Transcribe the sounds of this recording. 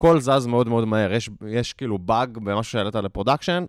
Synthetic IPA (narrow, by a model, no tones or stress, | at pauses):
ko̞lzazmeo̞d̪meo̞d̪mae̞ʁjeʃjeʃkiːlubaɡbemaʃu̥ʃeelet̪alepʁo̞d̪akʃen